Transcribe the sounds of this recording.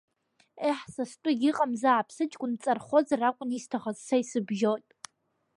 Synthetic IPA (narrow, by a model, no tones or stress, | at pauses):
eħsastʷʼʊɡʲiqʼamzaʕːpʰsɨt͡ʃʼkʷʼʊnt͡sʼarχʷozarakʷʼʊnistʰaχazsajsɨbʒotʼ